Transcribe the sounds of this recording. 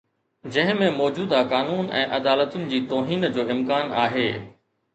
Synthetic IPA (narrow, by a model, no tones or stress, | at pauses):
d͡ʑɐ̃ɦɪ̃mẽmɔːd͡ʑuːd̪akaːnuːnɛ̰̃ːʔɐd̪aːlət̪ʊnɪ̆d͡ʑiːt̪oːɦiːnd͡ʑoːɪmkaːnaːɦeː